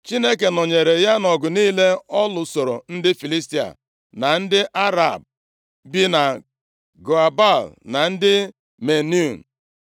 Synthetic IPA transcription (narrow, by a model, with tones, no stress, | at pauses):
t͡ʃi˦ne˦ke˨nɔ˨ɲe˨ɾe˨ja˦nɔ˨ɡʊ˨niː˦le˦ɔ˦lʊ˨so˨ɾo˨n̩˦dɪ˦fi˨li˦sti˦a̰˨ | na˨n̩˦dɪ˦ʔa˦ɾa̰˨b̚ | bi˦na˨ | ɡo˨a˨ba˦˨lna˨n̩˦dɪ˦ | me˨n˦u˦˨n̩˨